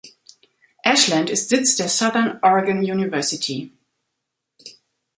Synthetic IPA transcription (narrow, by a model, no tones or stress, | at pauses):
ʔɛʃlãntɪstz̥ɪt͡sd̥eːɐsaðənɔɹɪɡə̃njuːnɪvɜɐsɪtʰi